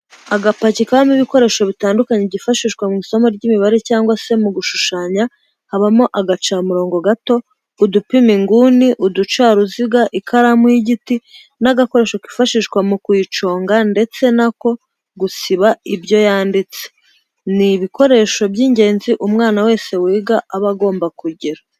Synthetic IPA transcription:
aɡapacikahomiβiko̞ɾe̞ːʃo̞βitaːndukaɲebɟifaʃiʃɡwamŋiːso̞moɾɟimiβaɾe̞caːŋɡwase̞muɡuʃuʃaːɲa | haβamo̞ʔaɡat͡ʃamuɾo̞ːŋɡo̞ɡato̞ | udupimiŋɡuːniʔudut͡ʃaɾuziɡaʔikʰaɾamuiɟiti | naɡako̞ɾe̞ːʃoki̥faʃiʃɡwamukwiːt͡ʃo̞ːŋɡande̞t͡se̞nako̞ | ɡusiβaibɟo̞jaːndit͡se | niβiko̞ɾe̞ːʃo̞bɟiːɲɟe̞ːnziʔumŋaːnawe̞ːse̞wiːɡaaβaɡo̞ːmbakuɟiɾa

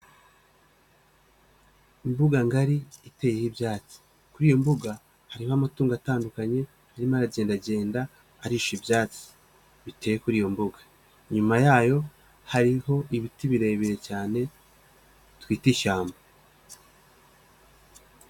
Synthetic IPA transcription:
imbuɡaŋɡaɾiite̞ːje̞hibjaːt͡si̥ | kuɾijo̞mbuɡa | haɾihoamatuːŋɡataːndukaɲe̞ | haɾimaɾaɟe̞ːndaɟe̞ːndaː | ɾiʃibjaːt͡si̥ | βite̞ːjekuɾijo̞mbuɡa | ɲumajaːjo̞ | haɾiho̞ʔiβitiβiɾe̞ːβiɾe̞caːne̞ | twiːtiʃaːmbo

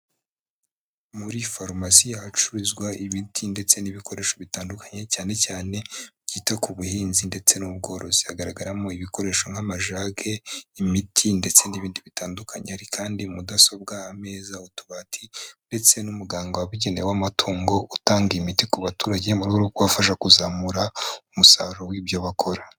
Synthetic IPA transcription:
muɾifoɾmasijahat͡ʃuɾizɡwaʔimitʰinde̞t͡se̞niβikʰo̞ɾe̞ːʃo̞βitaːndukḁɲe̞caːne̞caːne̞bɟiːtakuβuhiːnzinde̞t͡se̞nuub̚ɡo̞ːɾo̞zihaɡaɾaɡaɾamo̞iβiko̞ɾe̞ːʃo̞ŋhamaʒaːɡe̞imitʰinde̞t͡se̞niβiːndiβitaːndukʰaɲehaɾikʰaːndimudaso̞b̚ɡaːme̞ːzautuβatʰinde̞t͡se̞numuɡaːŋɡoaβiɟe̞newamatʰuːŋɡo̞ʔutaːŋɡimitikuβatuːɾaɟe̞muɾuɡooɡwoafaʃ̬akuzamuɾaumusaːɾowibjo̞βakʰo̞ɾa

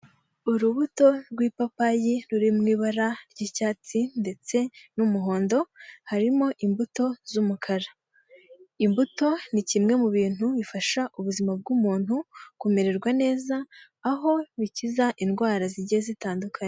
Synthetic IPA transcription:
uɾuβuto̞ɾɡwiːpapajiɾuɾimŋiːβaɾaɾɟicaːt͡sinde̞t͡se̞numuɦo̞ːndo̞haɾimo̞ʔimbuto̞zumukʰaɾa | imbuto̞nicimŋe̞muβiːn̥huβifaʃaʔuβuzimab̚ɡumuːn̥hukume̞ɾe̞ɾɡwane̞ːzaː | ɦo̞βicizaʔinɡwaːɾaziɟezitaːndukʰaɲe

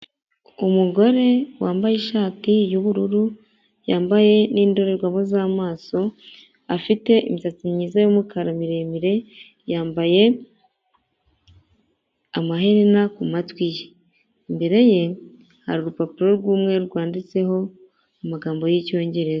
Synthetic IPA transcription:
umuɡo̞ɾe̞waːmbajeʃaːtijuβuɾuɾu | jaːmbaje̞niːndo̞ɾe̞ɾɡwamozaːmaːso̞ | afite̞ʔḭmisat͡simɲiːzajomukaɾamiɾe̞miɾe̞ | jaːmbaje̞ | amaɦeɾinakumatwije | mbe̞ɾe̞je̞ | ha̰ɾuɾupapiɾo̞ɾɡuːmŋe̞ɾɡwaːndit͡se̞ɦo̞ | umaɡaːmbo̞jico̞ːɲɟe̞ɾe̞za

